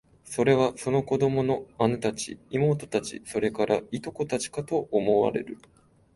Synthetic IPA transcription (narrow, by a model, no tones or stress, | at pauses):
so̞ɾe̞βaso̞no̞ko̞d̪o̞mo̞no̞anot̪at͡ɕḭːmo̞ːt̪o̞̥t̪at͡ɕḭso̞ɾe̞kaɾait̪o̞ko̞t̪at͡ɕi̥kat̪o̞ʔːmo̞βa̰ɾe̞̰ɾɯ̟